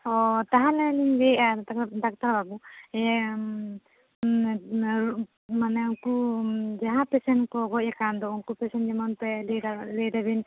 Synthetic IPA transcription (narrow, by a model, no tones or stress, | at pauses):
ɔt̪aɦãlɛliɲbɛʔat̪akd̪ak̚t̪aɾbabuɛ | manɛukud͡ʒaɦãpɛsɛnkɔɡɔʔ̚akand̪ɔuŋkupɛsɛnd͡ʒɛmɔnt̪ɛllɛd̪abin